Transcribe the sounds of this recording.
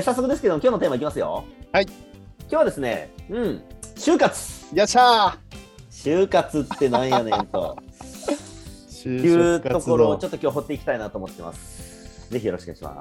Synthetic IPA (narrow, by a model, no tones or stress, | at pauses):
sas̬ːokɯd̪e̞sɨ̥ked̪omokʲjoːnot̪eːmaikʲimasɨjo̞̰haikʲjoːβad̪e̞sɨne̞̰ɯ̟̃ɴɕɨːkat͡sɨ̥jaɕa | ɕɨːkat͡sɨt̪ːe̞nãɰ̃jjonet̪o̞̰ | jɯ̟ːo̞koɾoːt͡ɕo̞t̪ːokʲo̞ːɦo̞t̪ːe̞ikʲi̥t̪ainat̪oːmot̪ːḛmʔa̰sɨ̥ | d͡ze̞çʲijo̞ɾo̞ɕikɯɲḭɕima̰